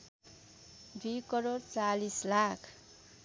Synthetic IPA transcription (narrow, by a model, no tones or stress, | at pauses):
d̪ujkʌɾoɾt͡salislakʰ